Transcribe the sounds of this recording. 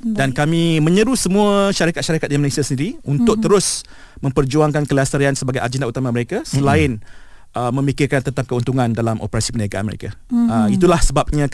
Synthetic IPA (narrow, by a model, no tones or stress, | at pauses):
dankamĩmə̃ɲəɾusəmũaʃaɾikat̪̚ʃaɾakat̪̚dimənesiasəndiɾiunt̪ʊk̚t̪əɾʊs | mə̃mpərd͡ʒuaŋkankəliasəɾiansəbaɡajʔa̰d͡ʒəndaut̪amaməɾekasəlaɪnʔəmə̃mikɪrkant̪ət̪ap̚kəunt̪uŋãndalamʔo̰pəɾasi̥pənaɡaʔa̰nməɾḛkaəit̪ulahsəbap̚ɲã